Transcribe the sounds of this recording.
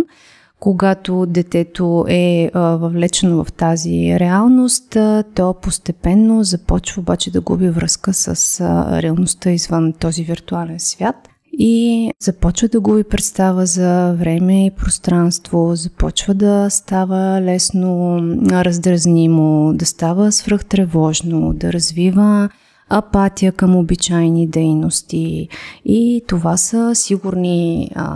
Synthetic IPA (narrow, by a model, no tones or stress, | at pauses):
koɡat̪od̪ɛt̪ɛt̪oʔɛvɐvlɛt͡ʃɛnovɐ̰ft̪azḭɾɛalˠnost̪t̪ɔpost̪ɛpɛnːozɐpɔt͡ʃvəobat͡ʃɛd̪ɐɡṵbivɾəskəsə̰sɾɛɐlˠnost̪əizvənt̪ɔziviɾt̪ualɛnsvʲjat̪ | iz̥ɐpɔt͡ʃvəd̪ɐɡubipɾɛt̪st̪avəzɐvɾɛmɛipɾost̪ɾanst̪vozɐpɔt͡ʃvəd̪ɐst̪avəlɛsnoɾəzd̪ɾɐznimod̪ɐst̪avəsvɾəxt̪ɾɛvɔʒnod̪ɐɾɐzvivəː | pat̪ijəkəmobit͡ʃajnid̪ɛjnost̪iit̪ovasəsiɡuɾni